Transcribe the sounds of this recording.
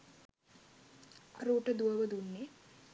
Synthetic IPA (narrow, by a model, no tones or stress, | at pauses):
aɾuːʈəd̪uʋəʋəd̪unːe